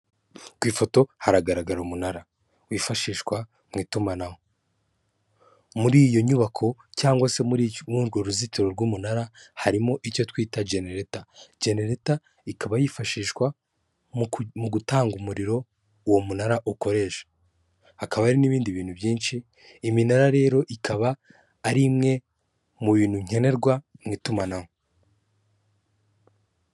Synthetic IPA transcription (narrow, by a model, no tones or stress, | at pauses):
kwiːfo̞to̞haɾaɡaɾaɡaɾumunaɾa | wiːfaʃiːʃkwa | mŋiːtumanamo | muɾiːjo̞ɲuβakʰo̞caːŋɡwase̞muɾmuɾɡoɾuzitiɾo̞ɾɡumunaɾahaɾimo̞ʔico̞twiːtad͡ʒe̞neɾetad͡ʒe̞ne̞ɾeta | ikaβajifaʃiːʃkwa | muɡutaːŋɡumuɾiɾo̞ | womunaɾaʔuko̞ɾe̞ːʃḁ | hakaβaɾiniβiːndiβiːn̥hubjiːnʃiː | minaɾaɾe̞ːɾo̞ʔikʰaβaː | ɾimŋe̞ | muβiːn̥huɲ̥e̞ne̞ɾɡwamŋitumanaho